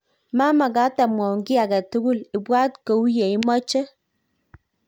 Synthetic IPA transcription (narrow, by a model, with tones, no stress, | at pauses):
ma˦ma˨ɡa˦ta˨mɔ˨ŋɡi˦a˨ɡa˨tu˦ɡu˦li˨bwa˦tko˨u˦je˨i˦mɔ˦t͡ʃe˦